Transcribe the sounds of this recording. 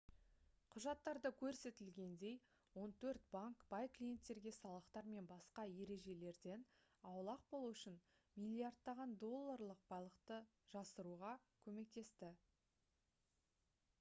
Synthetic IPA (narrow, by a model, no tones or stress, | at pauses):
qʰʊʒɑt̪ːɑɾd̪əkʲʰɵɾse̞t̪ɪlɡʲe̞nd̪e̞j | wo̞nt̪ʰɵɾt̪̚baŋkb̥ɑjklʲije̞nt̪ːe̞ɾɡʲe̞sɑlˠəqt̪ɑɾme̞nbɑsqɑje̞ɾe̞ʒe̞le̞ɾd̪e̞n | ɑwlˠɑq̚bo̞lˠuʏʃɪn | mijlʲiard̪ːɑʁɑnd̪o̞lˠːaɾlˠəq̚b̥ɑjlˠəqt̪ə | ʒ̥ɑsəɾuʁɑkʲʰɵme̞k̚t̪e̞st̪ɪ